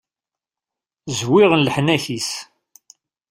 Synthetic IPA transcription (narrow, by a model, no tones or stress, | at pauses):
zwiʁənləħnæçis